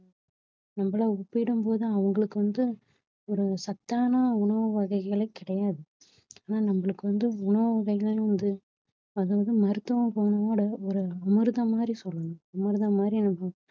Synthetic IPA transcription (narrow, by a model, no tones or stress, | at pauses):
nɐmbɐɭaːʊpːɪɪɽɯmpoːðɯɐʋɐŋɡɐɭɯkːɯʋɐnd̪ɯ | ɔɾɯsɐt̪ːaːnɐʊɳɐʋɐʋɐɣɐɪɣɐɭɐɪkːɪɽɐjaːðɯ | aːnaːnɐmbɐɭɯkːɯʋɐnd̪ɯʊɳɐʋɐʋɐɣɐɪɣɐɭ̃ʋɐnd̪ɯ | ɐðaːʋɐðɯmɐɾɯt̪ːɐʋɐ̃mpoːɳɐoːɽɐɔɾɯɐmɯɾɯðɐmaːd̪ɾisɔlːɯnɯɐmɐɾɯðɐmaːd̪ɾinɐmːɐ